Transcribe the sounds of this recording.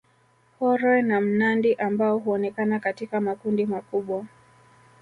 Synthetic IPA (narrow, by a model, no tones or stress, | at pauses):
hɔɾɔɛnam̩nandiʔambaɔɦuɔnɛkanakatikamakundimakuɓwa